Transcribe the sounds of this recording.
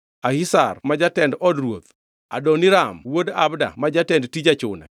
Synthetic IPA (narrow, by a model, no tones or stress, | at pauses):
ahisa̰rmad͡ʒatɛndɔdɾwot̪ | a̰doniɾamwodabda̰mad͡ʒatɛndtid͡ʒat͡ʃʊna̰